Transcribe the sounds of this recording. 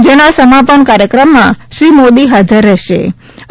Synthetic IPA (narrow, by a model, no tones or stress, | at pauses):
d͡ʒenasəmapəɳkaɾjəkɾəmːãʃɾimod̪iɦad͡ʒəɾːɛɦʃḛ